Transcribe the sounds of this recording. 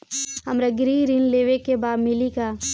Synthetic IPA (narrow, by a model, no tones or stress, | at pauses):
ɦɐmɾɐɡɾiːɾinleːʋekːebaːd̪mɪlikaː